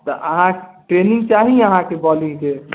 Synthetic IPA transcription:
t̪əʔəɦãʈɾenĩŋɡt͡ʃaɦiəɦãkebɔlid͡ʒe

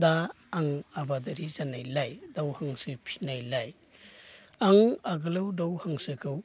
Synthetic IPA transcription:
daː | ŋabadaɾizanajlajdawhaŋsɯpʰi̥najlaj | aŋaɡɯlɯwdawhaŋsɯkʰɯw

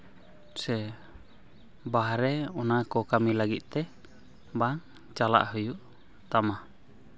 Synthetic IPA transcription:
sɛ | baɦɾɛɔnakɔkamilaɡit̪̚ˀt̪ɛ | baŋ | t͡ʃala̰ʔhəjuʔ | t̪ama

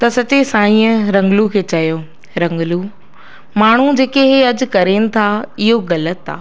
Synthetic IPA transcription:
t̪ɐsɐt͡ɕesãːĩːə̃ɾɐ̃ŋɡlukʰeːt͡ɕɐjo | ɾɐ̃ŋɡlu | maːɳ̤ud͡ʑeːkeɦeɐd͡ʑʊ̆kɐɾeːnɪ̆t̪ʰaɪɦoɣɐlət̪a̰ː

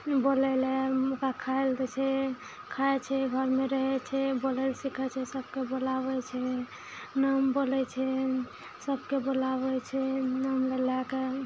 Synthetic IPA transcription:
bolɛlɛmukakʰaeld̪ɛt͡ʃʰɛ | kʰat͡ʃʰɛɡʱəɾmeɾəɦɛt͡ʃʰɛbolɛlsikʰɛt͡ʃʰɛsəb̚kebolaβɛt͡ʃʰɛ | nambolɛt͡ʃʰɛ | səbkebolabɛt͡ʃʰɛnamɾəlake

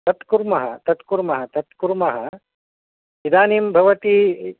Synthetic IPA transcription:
t̪ɐt̪kuɾmɐɦɐt̪ɐt̪kuɾmɐɦɐt̪ɐt̪kuɾmɐɦɐ | id̪aːnimbʱɐʋɐt̪i

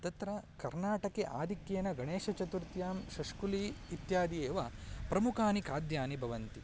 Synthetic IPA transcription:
t̪ɐt̪ɾɐkɐɾnaːʈɐkeʔaːd̪ʱikjeːnɐɡɐɳeːʃɐt͡ʃɐt̪uɾt̪jaːmʃɐʂkuliːt̪jaːd̪ijeːʋɐpɾɐmukʰaːnikaːd̪jaːnibʱɐʋɐnt̪i

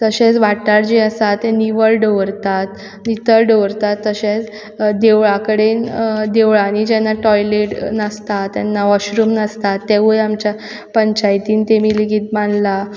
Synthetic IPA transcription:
t̪əɕẽt͡sʋaʈaɽd͡ʑiəsat̪ːeniʋəɭɖoʋɾt̪at̪ | nit̪əɭɖəʋɾt̪at̪ːəɕẽt͡s | d̪eʋɭakəɽend̪eʋɭanid͡ʑɛnːaʈɔjleʈnəst̪at̪ːjɛnːaʋəɕɾuːmnəst̪at̪ːeʋujamt͡ɕja | pəɲt͡ɕajt̪iːnt̪emiliɡiːt̪̚maɳla

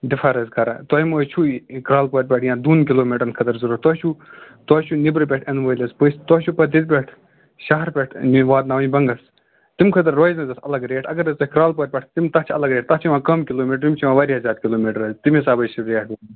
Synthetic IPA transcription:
d̪ifʰaːɾɐzkʰɐɾa̰t̪ɔːjmoːt͡ʃʰukɾaːlpɔːɾ̚ʲpʲeʈʰjãːd̪uːnkiloːmiʈəɾnkʰɐt̪ɐɾzɐɾuɾt̪ɔːt͡ʃʰu | t̪ɔːt͡ʃʰunibɾɨp̬ʲɛʈʰɐnʋɐːjlʲɐspəst̪ɔːt͡ʃʰupɐd̪it̪̚p̬ʲeʈʰ | ʃɐɦɐɾpʲeʈʰniʋaːd̪naːʋɐ̃jbɐŋɡɐs | t̪imkʰɐt̪̬ɐɾːoːjznɐzɐsɐ̰lɐɡɾeːʈʰɐɡɐɾɐzt̪ɐkɾaːlpɔːɾ̚ʲpʲɐʈʰt̪imt̪ɐt͡ʃʰɐlɐɡɾeːʈ̚t̪ɐt͡ʃʰiʋãːkɐmkiloːmiʈɾimʲt͡ʃʰuʋãːʋaːɾʲiɦɐzʲaːɾkʲiloːmiʈɾɐzt̪imisaːbɐt͡ʃʰiɾeːʈʰː

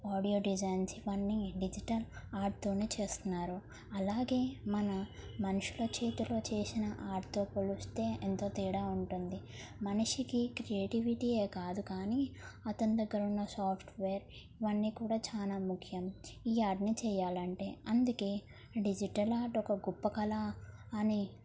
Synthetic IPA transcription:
aːɖijo̞ːɖid͡ʒɐjnsiʋɐnːiɖid͡ʒiʈɐlaːɾʈ̚t̪o̞ːneːt͡ʃe̞ːst̪unːaːɾu | ɐlaːɡe̞ːmɐnɐmɐnuʂulɐt͡ʃeːt̪ulo̞ːt͡ʃeːsinɐʔaːɾʈt̪o̞ːpolust̪e̞ːʔent̪o̞ːt̪iːɽaːuɳʈund̪i | mɐnuʂikikɾieːʈiʋiʈiːe̞ːkaːd̪ukaːniɐt̪ɐnid̪ɐɡːɐɾunːɐsaːpʰʈʋeːɾiʋɐnːiːkuːɽaːt͡ʃaːnaːmukʰjɐmiːaːɾʈniːt͡ʃɛːjaːlɐɳʈe̞ːɐnd̪uke̞ː | ɖid͡ʒiʈɐlaːɾʈɔkɐɡupːɐkɐla | ɐni

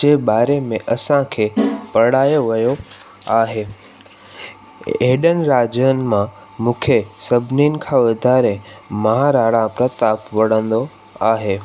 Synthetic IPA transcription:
d͡ʑeːɓaːɾemẽʔɐsãkʰeːpɐɽaːjoʋɐjo | aːɦeː | eɦɪɗən̆ɾaːd͡ʑəənɪ̆mã | mũːkʰesɐbʱɪninɪ̆kʰãːʋɐd̪ʱaːɾemɐɦaɾaːɽãpɾɐt̪aːpʋɐɽə̃nd̪o | aːɦeː

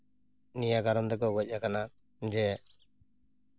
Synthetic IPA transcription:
nijaɡaɾɔmd̪ɛk̬ɔɡɔc̚ˀakana | d͡ʒɛ

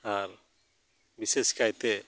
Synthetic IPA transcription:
aɾ | biseskajt̪e

